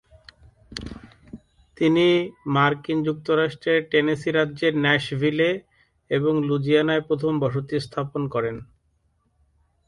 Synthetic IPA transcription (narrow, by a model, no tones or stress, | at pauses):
t̪inimaɾkind͡ʑuk̚t̪oɾaʃʈɾeɾʈenesiɾadːʑeɾnɛʃbʱile | eboŋlud͡ʑianaepɾot̪ʰombɔʃot̪ist̪ʰaponkɔɾen